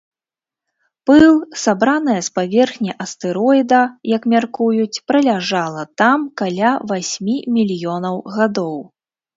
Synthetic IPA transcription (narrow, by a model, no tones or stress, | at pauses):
pɨlˠsabɾanɨjɐspavʲɛrxnʲɐʔɐst̪ɛɾɔjid̪ɐjɐkmʲarkujut͡sʲpɾɐlʲaʐalˠɐt̪amkalʲavasʲmʲimʲilʲjɔnɐwɣad̪ɔw